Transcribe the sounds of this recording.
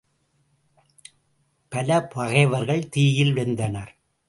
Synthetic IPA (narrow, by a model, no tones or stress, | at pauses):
pɐlɐpɐɣɐɪʋɐɾɣɐɭt̪iːjɪlʋɛnd̪ɐnɐɾ